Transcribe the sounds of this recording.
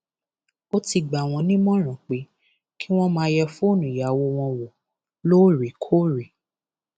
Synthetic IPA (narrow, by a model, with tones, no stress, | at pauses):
o˦ti˧ɡ͡ba˨w̃ɔ̃˧nĩ˦mɔ̃˦ɾ̃ã˨k͡pe˨˦ | ki˦w̃ɔ̃˦mãː˧˦jɛ˧fũ˦˨nũ˨ja˨wo˧w̃ɔ̃˧wo˨ | lo˦˨ɾi˨kʰo˦ɾi˨